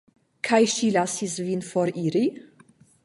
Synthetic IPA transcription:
kʰajʃilasisvinfɔɾiɾi

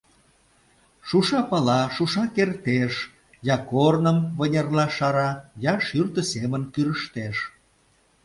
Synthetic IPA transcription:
ʃuʃɑpɑlɑʃuʃɑkert̪eʃ | jɑkornəmβənʲerlɑʃɑɾɑjɑʃyrt̪ə̆semənkyɾəʃt̪eʃ

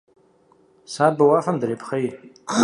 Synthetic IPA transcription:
saːbawafamdaɾepʰχej

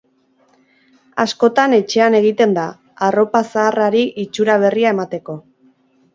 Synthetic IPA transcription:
asko̞t̪ane̞t͡ʃe̞ane̞ɣ̞it̪e̞nd̪a | aro̞pasaːraɾiʔit͡ʃuɾaβ̞e̞riae̞mat̪e̞ko̞

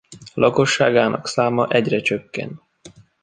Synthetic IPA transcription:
lʔɒko̞ʃːaːɡaːnʔɒ̰ksaːmɒʔɛɟrɛt͡ʃøkːɛ̰nt̪

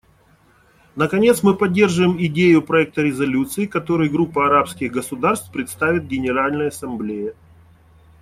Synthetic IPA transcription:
nəkɐnʲe̞t̪smɨpɐdʲːerʐɨvɪmɪdʲejʊpɾɐɛk̚t̪əɾʲɪzɐlʲut̪sɨɪkɐt̪o̞ɾɨjɡɾupːəɐɾapskʲɪɣɡəsʊd̪arst̪pɾʲɪt̪st̪avʲɪt̪̚ɡʲɪnʲɪɾalʲnəjəɐsɐmblʲejɪ

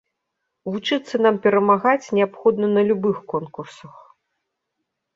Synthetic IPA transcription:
vut͡ʂɨt̪sːɐn̪ampʲɛɾɐmaɣat͡sʲnʲɛapxɔd̪nɐnɐlʲubɨxkɔnkursɐx

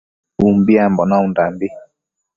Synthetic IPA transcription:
umbiambɔnɔundambi

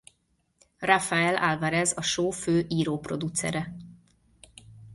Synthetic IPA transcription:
rafaɛlalvaɾɛzɒʃoːføːʔiːɾoːpro̞d̪ut̪sɛ̰ɾɛ

